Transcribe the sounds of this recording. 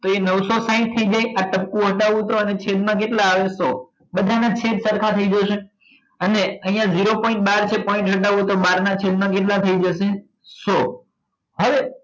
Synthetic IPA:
t̪oenəʋsosaɪ̃ʈ̚t̪ʰəid͡ʒajaʈəp̚kũɦəʈaʋũɦt̪oənet͡ʃʰed̪mãk̬eʈlaːʋeso | bəd̪ʱanat͡ʃʰed̪səɾkʰat̪ʰəid͡ʒəʃe | əneəɦĩjãd͡ʒiɾopɔ̃ɪ̃ɳʈ̚baɾt͡ʃʰepɔĩɳʈɦəʈ̬aʋũt̪obaɾnat͡ʃʰed̪mãk̬eʈ̬lat̪ʰəid͡ʒəʃe | so | ɦəʋe

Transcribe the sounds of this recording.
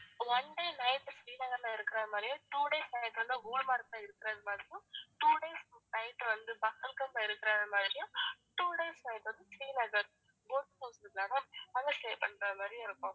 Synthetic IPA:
ʋɐnɖeːnɐjʈsɾiːnɐɡɐɾnaːɪɾɯkːiɾaːnmaːɾijũʈuːɖeːsnɐjʈʋɐnd̪uɡoːɭmaːɾk̚t̪aɪɾɯkːiɾaːd̪ɐmaːd̪ɾijuʈuːɖeːsnɐjʈʋɐnd̪ɯbɐkːɐlkɐmpaɪɾɯk̪ːɪɾaːnɐmaːd̪ɾjuʈuːɖeːsnɐjʈʋɐnd̪ɯsɾiːnɐɡɐɾ | ɡoːʈt̪oːsɾiɡ̪laːnɐɐŋɐseːpɐɳɾaːmaːɾijɪɾɯkːõː

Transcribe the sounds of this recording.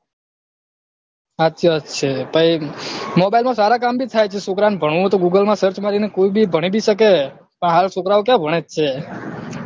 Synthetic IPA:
aəət͡ʃʰebaimobailmãsaɾakambit̪ʰajt͡ʃʰesukɾanbʱəɳ̃ʋũt̪oɡuɡəlmãsəɾt͡ʃmaɾinekoibibʱəɽ̃ibʱiʃəke | pəɳɦalsokɾaʋokjãbʱəɽ̃ed͡ʒt͡ʃʰe

